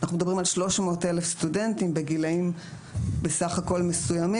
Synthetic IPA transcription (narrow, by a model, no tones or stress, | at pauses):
naχnumedɐbʁimalʃlo̞ʃmo̞ːtelefst̪ude̞ntimbe̞ɡilaim | besaχako̞lme̞sujami